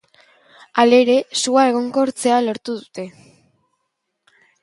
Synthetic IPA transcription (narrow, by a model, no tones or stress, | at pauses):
ale̞ɾe̞suae̞ɣ̞o̞ŋɡo̞ɾt͡se̞alo̞ɾt̪uð̞ut̪e̞